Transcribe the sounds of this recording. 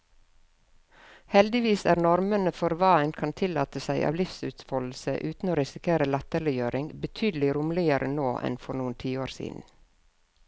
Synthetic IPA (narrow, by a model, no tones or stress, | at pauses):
hɛld̪ɪʋiːsæːɾnɔɾmənəfɔɾʋɑːɛnkʰɑnt̪ʰɪlɑ̰ːt̪əsæɪʔɑ̰ːʋlɪfsʉ̰ːt̪fɔll̩səʔʉːt̪n̩oːɾɪsɪkʰeːɾəlɛt̪əɭɪjøːɾɪŋbət̪ʰyːd̪l̩ɪɾuːmlɪəɾənoːʔɛ̰nfɔɾnuːənt̪ʰiːoːɾsḭːd̪n̩